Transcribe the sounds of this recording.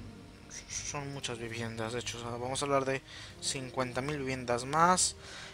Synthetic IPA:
so̞nmut͡ʃazβiβje̞nd̪azdet͡ʃosβamosaβlaɾðe̞siŋkwe̞nt̪amilβiβje̞nd̪azmas

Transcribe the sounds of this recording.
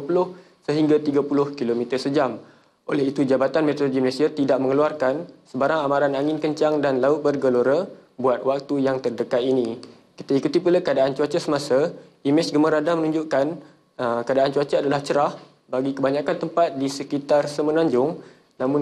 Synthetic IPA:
pulʊh | səɦiŋɡat̪iɡapulʊhkilomit̪ərsəd͡ʒam | ʔolɛɦit̪ud͡ʒabat̪anmet̪oloɡiməlẽsiat̪idaʔ̚mə̃ŋəluarkansəbaɾaŋamãɾanaŋɪnkəɲt͡ʃaŋdanlaʊt̪̚bərɡəloɾabuat̪̚wak̚t̪ujaŋt̪ərdəkat̪inĩ | ki̥t̪aikut̪ipulakəadaʔant͡ʃuat͡ʃasəmasa | imɛsɡəməɾadamənũɲd͡ʒʊʔkan | əkadaʔant͡ʃuat͡ʃəadalaht͡ʃəɾah | baɡikəbaɲãkant̪əmpat̪̚disəkit̪arsəmənãɲd͡ʒʊŋ | nãmʊ̃n

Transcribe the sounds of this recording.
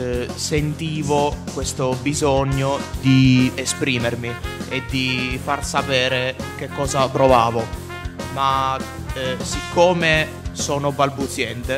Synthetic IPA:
sent̪iːvokwest̪obizoɲːod̪iespɾiːmermied̪ːifarsapɛːɾekekːɔːzapɾovaːvo | ma | sikʰːoːme | sɔːnobalbut̪sjɛnt̪e

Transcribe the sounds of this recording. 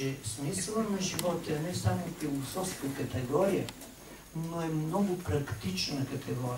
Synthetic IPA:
ɛsmislˠəmɛʒivɔt̪ɛɐnɛsamofilˠosɔfskɐkɐt̪ɛɡɔɾijə | noɛmnɔɡʊpɾɐkt̪it͡ʃnɐkɐt̪ʰɛɡɔɾi

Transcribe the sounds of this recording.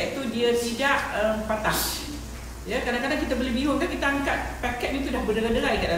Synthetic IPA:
ɛʔ̪̚t̪udiat̪idaʔəmpat̪as | jakadaŋkadaŋkit̪abolebiɦʊŋkankit̪aaŋkat̪̚pakɛt̪̚nĩt̪̬udahbədəɾadəɾaikaʔ̚da

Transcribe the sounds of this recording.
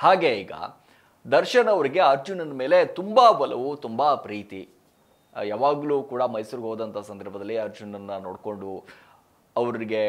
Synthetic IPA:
haːɡeiːɡɐ̰ | d̪ɐɾʃɐnɐːʋɐɾiɡe̞aːɾd͡ʒunɐnme̞ːle̞t̪umbabɐlɐʋut̪umbapɾiːt̪i | jaːʋaːɡluːkuːɽɐmɐjsuːɾɡɦoːd̪ɐnt̪ʰasɐnd̪ʱɐɾbʱɐd̪ɐlːiaɾd͡ʒunːɐnːɐno̰ːɽko̞ɳɖu | ɐʋɐɾɾiɡe̞

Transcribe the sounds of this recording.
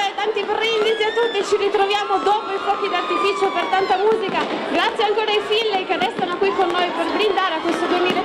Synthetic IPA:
t̪ant̪ipɾind̪iziat̪ːut̪ːit͡ʃirit̪ɾovjaːmod̪oːpoipɔːkid̪art̪ifit͡ʃopert̪ant̪amuːzikaɡɾat̪sːjeaŋkoːɾajfilːekerɛst̪anokwikːonːoːjperbɾind̪aːɾeakːwest̪od̪uemiːle

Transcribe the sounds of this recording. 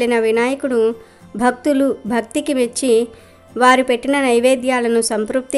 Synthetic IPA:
inɐʋinaːjɐkuɽu | bʱɐk̚t̪ulubʱɐk̚t̪ikiʋet͡ʃːi | ʋaːɾupe̞ʈːinɐnɐjʋeːd̪jaːlɐnusɐmpɾuːp̚t̪i

